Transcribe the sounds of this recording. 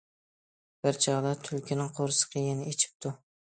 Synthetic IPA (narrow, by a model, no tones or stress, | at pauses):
b̥ɪɾt͡ʃʰɑʁd̪ɑt̪ʰʊlkʲɪnɪŋqʰoɾɨsɨ̥qʰejɪnɪet͡ʃʰɪ̥p̚t̪ʰʊ